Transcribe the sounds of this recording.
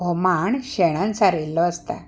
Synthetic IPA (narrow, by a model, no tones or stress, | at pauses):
ɦɔmaɳɕeɽ̃ãnsaɾelːɔəst̪a̰